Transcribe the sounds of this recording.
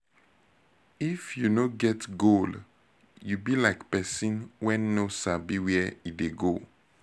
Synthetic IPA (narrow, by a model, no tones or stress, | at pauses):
ifjunoɡɛtɡol | jubilaɪkpɛsĩnwɛ̃nːosabiwɛideɡo